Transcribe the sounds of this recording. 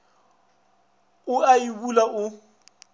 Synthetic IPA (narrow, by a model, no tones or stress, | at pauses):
ʊaibulaʔʊ